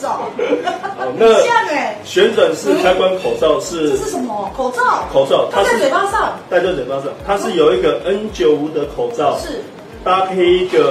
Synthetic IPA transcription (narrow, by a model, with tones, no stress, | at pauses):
ɔ˨˩na˥˨a˥˩ɕɥɛ˨˦nt͡swa˨˩ŋʂɻ̩˥˨kʰa˥ɪkwa˦nkʰo˨˩ʊt͡sɑ˥˨ʊʂɻ̩˥˨˥ə˨˩m˧kʰo˨˩t͡sɑ˥˩kʰo˨˩ʊt͡sɑ˥˨ʊt̪ʰa˦˥ʂ̩˥˨˩a˥sɑ˥˨ŋt̪a˥˧ɪt͡ɕjo˥˩t͡swɛ˨˩pa˥s̬ɑ˥˨˩ŋt̪ʰa˦˥ʂɻ̩˥˩jo˨ʊi˧˥ɡə˨ʔə˦nt͡ɕjo˨˩ʊu˧˥d̪ə˨kʰo˨˩ʊt͡sɑ˥˨ʊʂ̩˩ | t̪a˦kʰe˥ɪi˦ɡə˨